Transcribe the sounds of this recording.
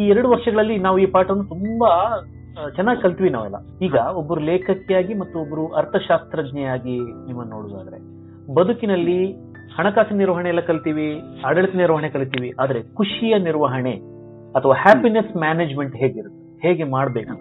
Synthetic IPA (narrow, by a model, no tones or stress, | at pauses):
iːɛɾɐɽuʋɐɾʂɐɡɐɭɐlːinaːʋuiːpaːʈɐʋɐnːut̪umbɐ | t͡ʃɛnːaːɡikɐɭt̪iːʋinaːʋɐ̰lːɐ̰ | iːɡɐobːɐɾuleːkʰɐkːɛjaːɡimɐt̪ːuobːɐɾuʔɐɾt̪ʰɐʃaːst̪ɾɐd̪ɲɛjaːɡinimːɐnnːoːɽuːd̪a̰ːd̪ɐɾe̞ | bɐd̪ukinɐlːi | hɐɳɐkaːsiɐniɾʋɐɦɐɳeɛlːɐkɐɭt̪iːʋi | ɐɽɐɭit̪ɐniɾʋɐɦɐɳekɐɭit̪iːʋiʔaːd̪ɐɾe̞kuʂijɐniɾʋɐɦɐɳe | ɐt̪ʰɐʋaːhaːpinesmaːneːd͡ʒme̞ɳʈɦe̞ːɡeiɾut̪ːe | he̞ːɡe̞maːɽbe̞ːku